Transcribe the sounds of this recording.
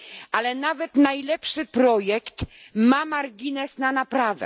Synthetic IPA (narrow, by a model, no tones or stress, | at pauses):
ʔalɛnavɛt̪najlɛpʂɘpɾɔjɛkt̪mamaɾɡʲinɛsnanapɾavɛ̰